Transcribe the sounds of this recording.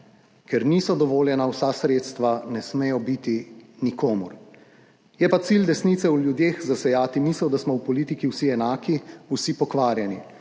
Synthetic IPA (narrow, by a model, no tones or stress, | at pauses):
kɛɾniːsɔd̪ɔʋoːljɛnawsasɾeːt̪st̪ʋanɛsmejɔbit̪inikoːmṵɾ | jɛpat̪sild̪ɛsnit̪sɛuljud̪jeːxzasɛjaːt̪imisɛwd̪asmɔwpɔliːt̪ikiwsiɛnaːkiusipɔkʋaːɾjɛni